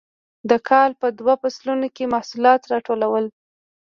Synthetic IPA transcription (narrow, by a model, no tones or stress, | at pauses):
d̪əkʰɑlpəd̪wapaslunokemahsulɑt̪ɾɑʈolawəl